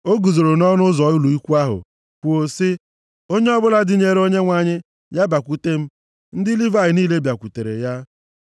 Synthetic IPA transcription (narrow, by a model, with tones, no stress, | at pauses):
o˦ɡu˨zo˨ɾo˨nɔ˦nʊ˦zɔ˨˦ʊ˦lu˨i˦kʷu˦a˦ɦʊ̰˨ | kʷo˨sɪ˦ | o˦ɲe˦ɔ˦bʊ˦la˦dɪ˦ɲe˨ɾe˦o˦ɲe˦ŋʷa˨ɲɪ˦ | ja˦ba˨kʷu˦te˦m̩˦ | n̩˦dɪ˦li˦va˦˨ɪ˨niː˦le˦bja˨kʷu˨te˨ɾḛ˨ja˦